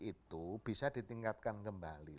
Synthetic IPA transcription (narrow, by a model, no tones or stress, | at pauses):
it̪ub̥i̤sadi̤t̪iŋkat̪̚kankəmbali